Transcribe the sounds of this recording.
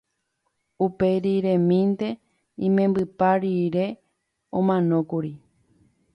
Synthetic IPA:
upe̞ɾiɾẽmĩnt̪e̞ | ĩmẽ̞mbɨpaɾiɾe̞ | õmãnõ̞kuɾi

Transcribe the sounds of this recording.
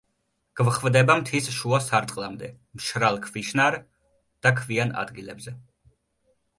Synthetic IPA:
ɡ̥vχvd̪ɛbamt̪ʰisʃuasaɾt̪ʼqʼlˠamd̪ɛ | mʃɾalˠkʰviʃnaɾ | d̪̥akʰviana̰d̪ɡilɛbzɛ

